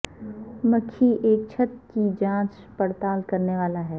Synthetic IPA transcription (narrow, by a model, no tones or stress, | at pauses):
mɐkʰːiʔeːk̚t͡ʃʰət̪̚kid͡ʒãːt͡ʃ | pɐɾt̪aːlkɐɾneʋaːlaɦɛː